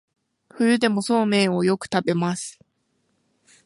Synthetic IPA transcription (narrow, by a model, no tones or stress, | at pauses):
ɸɯ̟jɯ̟d̪e̞mo̞so̞ːmẽ̞ːo̞jo̞kɯ̟̥t̪abe̞masɨ̥